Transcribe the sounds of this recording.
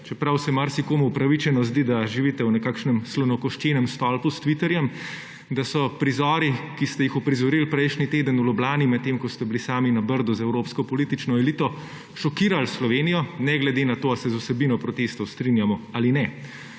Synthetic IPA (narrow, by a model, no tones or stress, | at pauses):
t͡ʃɛpɾawsɛmaɾsikoːmuupɾaʋit͡ʃɛnɔzd̪id̪aʒiʋit̪ɛwnɛkaːkʃnɛmslɔnɔkɔʃt͡ʃeːnɛmst̪ɔlpust̪ʋit̪ɛɾjɛm | d̪asɔpɾizɔːɾikist̪ɛjixɔpɾizɔɾilpɾɛjʃnit̪eːd̪ənulɔblaːnimɛt̪ːemkɔst̪ɛbilisaːminabəɾd̪ɔzɛwɾoːpskɔpɔliːt̪it͡ʃnɔɛlit̪ɔ | ʃɔkiːɾalslɔʋeːnijɔnɛɡlɛd̪eːnat̪oːasɛzusɛbinɔpɾɔt̪est̪ɔwst̪ɾinjamɔalinɛ